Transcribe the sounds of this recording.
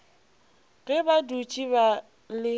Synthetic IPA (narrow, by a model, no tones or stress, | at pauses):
ɣɛbadut͡ʃʼiβa | lɪ